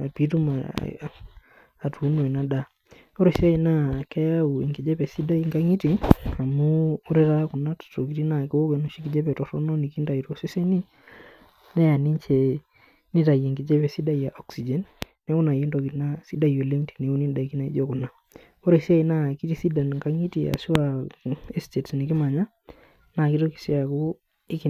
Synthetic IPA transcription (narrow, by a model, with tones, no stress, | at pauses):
a˨pi˦t̬u˦ma̰˨ | tʰu˨˦no˨ɛ˨na˦da˦ | ɔ˦ɾe˨si˦a˦i˨na˦kɛ˦ja˦u˨i˨ŋɡi˨d͡ʒɛ˦pɛ˨si˦da˦i˦ŋɡa˦ŋi˦ti˨a˨muː˦ɾi˦ka˦kʊ˨na˦tto˨ki˨˦ti˦na˨kɪ˦wo˦kɛ˨nu˨ʃi˦ki˨d͡ʒɛ˦pɛ˨tɔ˨tɔ˦nɔ˦ni˨ki˦nda˨i˨to˦se˦se˦ni˦ | nɛ˦ja˨ni˦ɲt͡ʃɛ˨ | ni˦ta˨je˨ŋɡi˨d͡ʒɛ˦pɛ˨si˦da˦ja˨ʔɔ˦ksi˨d͡ʒɛ˨n | nɛ˦ku˦na˨ji˦ndo˨ki˨˦na˦si˦da˦i˨o˨le˦ŋti̥˨ni˨u˦ni˦nda˨i˨ki˦na˨ḭ˦d͡ʒo˦ku˨na˦ | o˦ɾe˨si˦a˦i˦na˦ki˦ti˦si˦da˨n˨ŋka˦ŋi˦ti˨ja̰˨si˦a˨e˦ste˨tni˨ki˦ma˨ɲa˦ | na˨ki˦to˦ki̥˨si˦a˨ku˦ | i˦ki˨